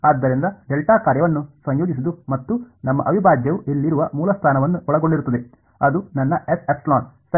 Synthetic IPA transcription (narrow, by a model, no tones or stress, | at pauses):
aːd̪ːɐɾind̪ɐɖelʈaːkaːɾjɐʋɐnːusɐɲjoːd͡ʒis̬id̪umɐt̪ːunɐmːɐ̰ʔɐʋibʱaːd͡ʒjɐʋuʔelːiɾuʋɐmuːlɐst̪ʰaːnɐʋɐnːuʔɔɭɐɡo̞ɳɖiɾut̪ːɐd̪e | ɐd̪unɐnːɐesepslaːnsɐ